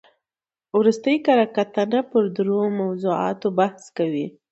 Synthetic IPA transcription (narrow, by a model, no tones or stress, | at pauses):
wɾust̪əjkaɾɑkat̪anapəɾd̪ɾomawzuɑ̰t̪obahskawi